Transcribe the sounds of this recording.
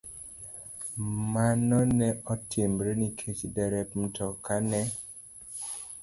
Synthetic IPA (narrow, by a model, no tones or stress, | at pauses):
manɔnɛʔɔtembɾenikʰet͡ʃdɛɾɛpm̩tʰɔkanɛ